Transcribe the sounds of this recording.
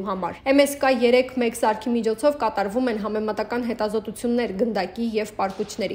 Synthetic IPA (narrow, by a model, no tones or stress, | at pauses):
ɦɑmɑ̰ɾɛmɛskɑjɛɾɛkʰmɛkzɑɾkʰimit͡ʃʰɔt͡sʰɔvkɑt̪ɑɾvumɛnɦɑmɛmɑt̪ɑkɑnɦɛt̪ɑzɔt̪ut͡sʰjunːɛɾɡənd̪ɑkijɛvpɑɾkut͡ʃʰnɛɾḭ